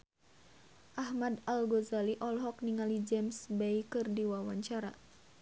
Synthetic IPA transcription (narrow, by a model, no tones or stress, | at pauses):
ʔahmadalɡɔzaliʔɔlɦɔk̚niŋalid͡ʒɛmsbeikɨrdiwawaɲt͡ʃaɾa